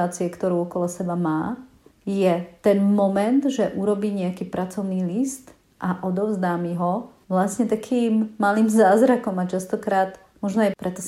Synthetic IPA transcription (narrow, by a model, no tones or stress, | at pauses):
aːt͡siɛkt̪ɔɾuʊɔkɔlɔsɛbamaː | jɛt̪ɛnmɔmɛnd̪ʒɛʔuɾɔbiːɲɛakiːpɾʔat͡sɔʊniːlist̪ | ʔaʔɔd̪ɔʊzd̪aːmiɦɔ | ʋlasɲɛt̪akʰiːmːaliːmzaːzɾakɔmat͡ʃast̪ɔkɾaːt̪ | mɔʒnɔajpɾɛt̪ɔs